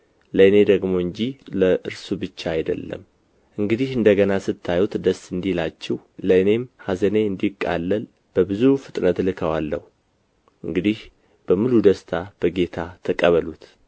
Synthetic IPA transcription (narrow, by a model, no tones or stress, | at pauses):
ləɨne̞d̪əɡmo̞ɨɲd͡ʒiləʔɨɾsubɨt͡ʃːaajd̪ə̰lːə̰m | ʔɨŋɡɨd̪ihɨnd̪əɡənasɨt̪ʰːajut̪d̪əsːɨnd̪ilat͡ʃːɪwləɨne̞mhazəne̞ɨnd̪ikʼːa̰lːəl | b̥əbɨzufɨt̪ʼnət̪lɨkʰəwalːəhu | ʔɨ̰ŋɡɨd̪ih | b̥əmɨlud̪əst̪ʰab̥əɡe̞t̪ʰat̪ʰəkʼəβəlut̪